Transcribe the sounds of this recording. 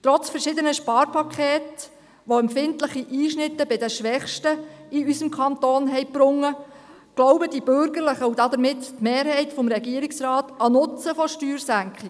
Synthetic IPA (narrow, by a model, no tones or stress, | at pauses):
t̪ɾɔt͡sfəɾʃɪd̪ənəʃpɑːɾpʰɑkʰeːt | ʋoɛmpfɪntlɪχiʔiːʃnɪtːəbɪdəʃʋɛχʃtəiysəmkʰɑnt̪oːnɦɛɪbɾʊŋːə | ɡ̥lɔʊbəd̥ibʏɾɡəɾləχəud̥ɑd̪əɾmɪttmeːɾhɛɪtfɔmɾɛɡiːəɾiksɾɑːt̪ɑnʊt͡səfɔʃtyːɾsæŋkχi